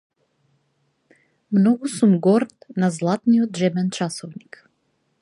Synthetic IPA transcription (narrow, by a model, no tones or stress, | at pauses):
mnɔɡusumɡɔɾt̪nazlˠat̪nijɔd̪ʒɛbɛnt͡ʃasɔvnik